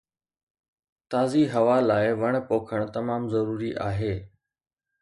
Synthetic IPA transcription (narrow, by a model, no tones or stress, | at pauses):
t̪aːziɦɐʋalaːɪʋɐɽ̃poːkʰəɽ̃t̪ɐmaːmzɐɾuːɾiʔa̰ːɦeː